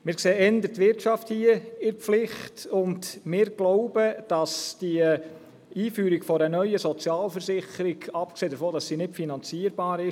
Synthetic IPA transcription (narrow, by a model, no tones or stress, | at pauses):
mɪːɾkseːɛndətːʋɪɾtʃɑfthiəɪɾflɪχtʊndmɪːɾɡ̥loʊbəd̥ɑsd̥i | iːfyːɾiɡfɔɾənœʏəsɔt͡sjɑːlfəɾsɪχəɾiɡɑp̚kseːd̥əɾfoːd̥ɑsːiːnɪtfinɑnt͡siəɾbɑːɾɪ